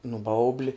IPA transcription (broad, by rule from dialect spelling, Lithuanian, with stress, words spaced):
nʊ ˈbɐʊbʲlʲɪ